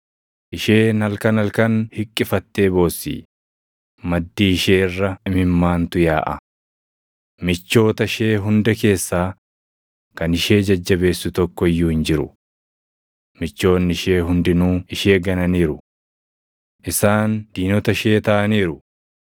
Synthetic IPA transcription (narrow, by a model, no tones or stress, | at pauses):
ʔɪʃe̞ːnɐlkɐnɐlkɐnhɪkʼːɪfɐt̪ːe̞ːbo̞ːsːḭː | mɐd̪ːiːɪʃeːɪrːɐmɪmːaːnt̪ʊjaːʔɐ | mɪt͡ʃːo̞ːt̪ɐʃe̞ːɦʊnd̪ɛke̞ːsːaː | kɐnɪʃe̞ːd͡ʒɐd͡ʒːɐbe̞ːsːʊt̪ɔkːɔɪjːuːhɪnd͡ʒɪɾʊ | mɪt͡ʃːo̞ːnːɪʃe̞ːɦʊnd̪ɪnuːɪʃe̞ːɡɐnɐniːɾʊ | ʔɪsaːnd̪̥iːnɔt̪ɐʃe̞ːt̪ɐʔɐniːɾʊ